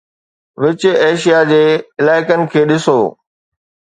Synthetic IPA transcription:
ʋɪt͡ɕʊ̆eːʃijad͡ʑeːɪlaːɪkənɪ̆kʰeːɗɪsoː

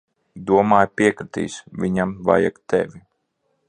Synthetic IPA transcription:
d̪uɔmaːjpiɛkɾɨt̪ḭːsvʲiɲamva̰ja̰kt̪ɛ̰vʲi

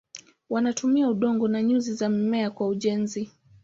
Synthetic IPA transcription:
wanatumiauɗɔŋɡɔnaɲuzizam̩mɛakwauʄɛnzi

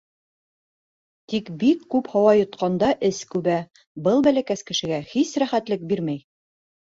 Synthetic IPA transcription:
t̪ikbikːʉphɑwɑjŏt̪qɑnd̪ɑʔɘskʉβæ | bɤlˠbælækæskɘ̆ʃɘ̆ɡæhisɾæχæt̪lɘk̚biɾmæj

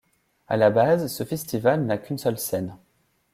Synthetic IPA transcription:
a̰labazsəfɛst̪ivalnakʲynsœlsɛn

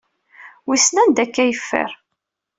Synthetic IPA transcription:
wisnænd̪ækːæjəfːə̰ɾ

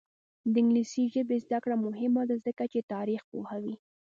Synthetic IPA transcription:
d̪əɪŋɡlisiʒəbezd̪akɽamʊɦɪmad̪azəkat͡ʃet̪ɑɾixpohawi

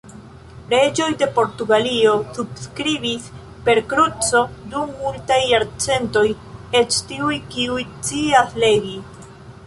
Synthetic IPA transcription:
ɾe̞d͡ʒo̞jde̞po̞ɾtuɡalio̞subskɾibis | pe̞ɾkɾut͡so̞dumːultajːaɾt͡se̞nto̞j | e̞t͡ʃtiujkiujt͡siasle̞ɡi

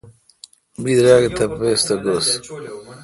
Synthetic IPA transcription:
mbid̪ɾaːɡt̪ɐpest̪ɐɡos

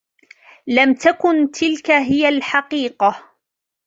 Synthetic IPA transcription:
lamt̪akʊnt̪ʰɪlkaɦɪjalħɑqiːqɑ

